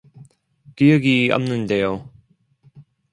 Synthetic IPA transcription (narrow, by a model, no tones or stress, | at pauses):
kijʌɡia̰mnɯndejo